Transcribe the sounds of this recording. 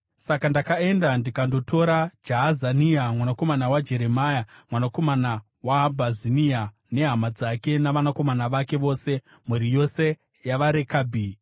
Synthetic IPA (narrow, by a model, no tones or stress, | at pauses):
sakandakae̞ndandikando̞to̞ɾad͡ʒaɦazaniamwanako̞manawad͡ʒe̞ɾe̞majamwanako̞mana | wabʱazinia | ne̞ɦamad͡zake̞naʋanako̞manaʋake̞ʋo̞ːse̞ | muɾijo̞se̞ | jaʋaɾe̞kaːbʱi